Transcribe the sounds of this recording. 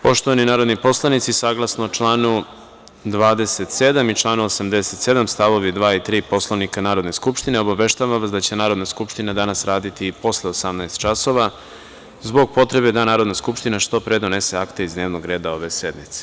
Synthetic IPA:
po̞ʃt̪oʋaninaːɾo̞d̪nipo̞slˠanit̪sisaɡlˠasnot͡ʃlaːnu | d̪ʋaːd̪e̞set̪sed̪amit͡ʃlˠaːnuosamd̪e̞se̞t̪se̞d̪amst̪aʋo̞ʋid̪ʋaːit̪ɾiːpo̞slˠoʋnikanaːɾod̪ne̞skupʃt̪ineo̞baʋe̞ʃt̪aʋaʋasd̪at͡ɕe̞naːɾo̞d̪naskupʃt̪inad̪anasɾaːd̪it̪ipo̞sleosamnaest̪t͡ʃaso̞ʋa | zbo̞ɡ̚po̞t̪ɾe̞bed̪anaːɾod̪naskupʃt̪inaʃt̪o̞pɾe̞d̪o̞ne̞se̞akt̪e̞izd̪ne̞ːʋnoɡɾe̞ːd̪ao̞ʋe̞sed̪mit̪se̥

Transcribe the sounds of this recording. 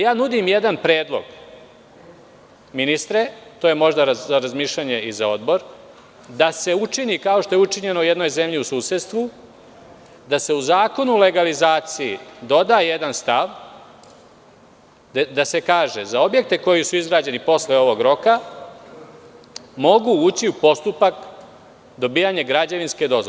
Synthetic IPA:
jaːnud̪imjed̪anpɾe̞ːd̪lˠo̞̰ɡ | minist̪ɾet̪oje̞mo̞ʒd̪aɾaaɾazmiːʃʎʲaɲe̞izao̞d̪bo̞ɾ | d̪ase̞ut͡ʂiniːkao̞ʃt̪o̞jeut͡ʂiɲe̞noujed̪no̞jze̞mʎiusuːset̪st̪ʋu | d̪ase̞uzaːko̞nule̞ɡalizaːt̪sijid̪o̞d̪ajed̪anst̪aʋ | d̪ase̞kaːʒezao̞bjek̚t̪e̞ko̞jisuizɡɾaːd͡ʑe̞nipo̞sleo̞ʋo̞ɡɾo̞ka | mo̞ɡuuːt͡ɕiupo̞st̪upak | d̪o̞biːjaɲe̞ɡɾad͡ʑaʋinske̞d̪o̞z

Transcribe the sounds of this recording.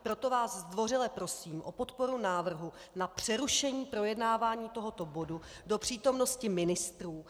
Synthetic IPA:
pɾo̞t̪o̞vaːszd̪vo̞rɪlɛpɾo̞siːmʔo̞po̞t̪po̞ɾunaːvr̩ɦu | napr̝̥ɛɾuʃɛɲiːpɾo̞jɛdnaːvaːɲiːt̪o̞ɦo̞t̪obo̞du | do̞pr̝̥iːt̪o̞mno̞scɪmɪnɪst̪ɾuː

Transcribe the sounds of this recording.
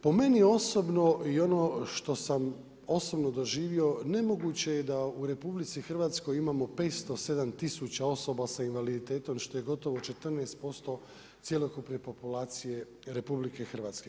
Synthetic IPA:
po̞me̞nio̞sobno̞io̞no̞ʃt̪o̞sam | o̞so̞bno̞d̪o̞ʒiːʋio̞ne̞mo̞ɡuːt͡ɕe̞jed̪auɾe̞publit̪sixr̩ʋaːt̪sko̞jimamo̞pe̞ːt̪st̪o̞se̞d̪amt̪isut͡ɕao̞so̞basainʋalid̪it̪e̞ːt̪o̞mʃt̪o̞je̞ɡo̞t̪o̞ʋot͡ʃe̞t̪ər̩neːst̪̚po̞st̪o̞ | t̪sje̞lˠokupne̞po̞pulaːt̪sije̞ | ɾe̞publike̞xr̩ʋaːt̪ske̞

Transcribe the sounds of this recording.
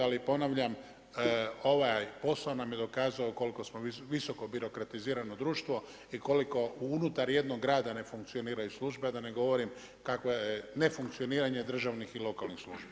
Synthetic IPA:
alipo̞naʋʎam | o̞ʋajpo̞saonamje̞d̪o̞kaːzaoko̞liko̞smo̞ʋiso̞ko̞biɾo̞kɾat̪iziːɾanod̪ɾuːʃt̪ʋo̞ | iko̞liko̞uunut̪aɾje̞d̪no̞ɡːɾaːd̪ane̞fuŋkt̪sio̞niːɾajuslˠuːʒbead̪ane̞ɡo̞ʋo̞ɾim | kakʋoene̞fuŋk̚t̪ijoniːɾaɲe̞d̪r̩ʒaʋnixilo̞kalˠnixslˠuːʒbi

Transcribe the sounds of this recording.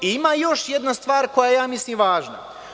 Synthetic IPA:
iimaːjo̞ʃjed̪nast̪ʋaːɾko̞jaejaːmisliːmʋaːʒna̰

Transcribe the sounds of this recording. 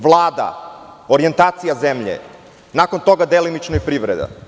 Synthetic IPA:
ʋlˠaːd̪a̰oɾient̪aːt̪sijazemʎḛ | nakont̪o̞ɡad̪elinit͡ʃnoipɾiʋɾed̪a̰

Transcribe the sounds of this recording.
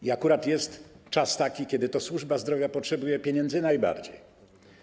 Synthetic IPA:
iakuɾat̪jɛst̪t͡ʂast̪akʲikʲɛd̪ɘt̪ɔswuʐbazd̪ɾɔvʲjapɔtʂɛbujɛpʲjeɲɛnd̪zɘnajba̰ɾd͡ʑḛj

